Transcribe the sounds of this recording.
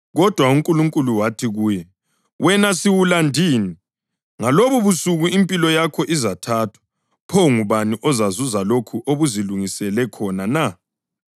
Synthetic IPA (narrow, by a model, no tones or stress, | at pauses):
ɣɔd̥ʱwauŋkʼuluŋkʼuluwatʰiɣuːjɛ | wʔɛnasiwulandʱiːni | ŋaloβuβusuɣuimpʼilɔjakʰɔʔizatʰatʰwḁ | pʰoŋuβaniʔɔzazuzalokʰuʔoβuziluŋisɛlɛkʰɔnana